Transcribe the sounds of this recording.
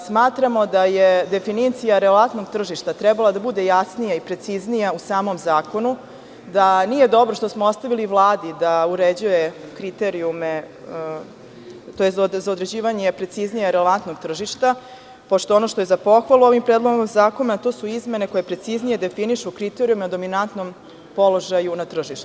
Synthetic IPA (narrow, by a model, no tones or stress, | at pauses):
smaːt̪ɾamo̞d̪ajed̪e̞finit̪sijaɾeleant̪no̞ɡ̚t̪r̩ʒiʃt̪at̪ɾɛbalˠad̪abud̪e̞jasnijaipɾe̞t̪siznijausaːmo̞mzaːko̞nu | d̪anije̞d̪o̞bɾoʃt̪o̞smoost̪aʋiliʋlˠaːd̪id̪auɾed͡ʑujekɾit̪e̞ɾiume | t̪ojeszzaod̪ɾe̞d͡ʑiːʋaɲe̞pɾe̞t̪siznijaɾeleʋant̪no̞ɡt̪r̩ʒiʃt̪a | po̞ʃt̪oono̞ʃt̪oezapo̞xʋalˠuo̞ʋimpɾeːd̪lˠo̞ɡomzaːko̞nat̪oːsuizme̞ne̞ko̞je̞pɾe̞t̪siznije̞d̪e̞finiʃukɾit̪eɾiumeod̪o̞minant̪no̞m | po̞lo̞ʒajunat̪r̩ʒiʃt̪u